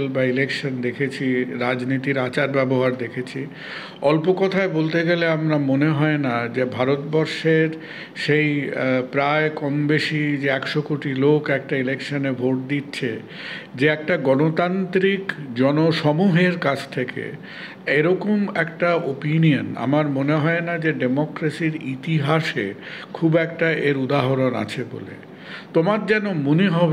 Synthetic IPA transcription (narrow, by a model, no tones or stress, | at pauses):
lbailekʃond̪ekʰet͡ɕʰiɾad͡ʑnit̪iɾat͡ɕaɾbɛboɦaɾd̪ekʰet͡ɕʰi | ɔlpokɔt̪ʰaebolt̪eɡeleamɾamoneɦɔenad͡ʑebʱaɾot̪̚bɔɾʃeɾ | ʃejpɾaekɔmbeʃid͡ʑeɛkʃokoʈilokɛk̚ʈailekʃonebʱoʈ̚d̪itːɕʰe | d͡ʑeɛk̚ʈaɡɔnot̪ant̪ɾikd͡ʑɔnoʃɔmuɦeɾkat͡ɕʰt̪ʰekḛ | eɾɔkomɛkʈaopiniona̰maɾmoneɦɔenad͡ʑeɖemokɾasiɾit̪iɦaʃḛ | kʰubɛkʈaʔeɾud̪aɦoɾona̰t͡ɕʰebo̰lḛ | t̪omaɾd͡ʑɛnomuneɦɔb